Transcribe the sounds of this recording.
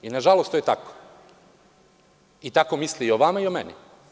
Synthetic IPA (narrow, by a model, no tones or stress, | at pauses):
inaʒalost̪ojet̪ako̥ | it̪akomisliioʋamaiomenḭ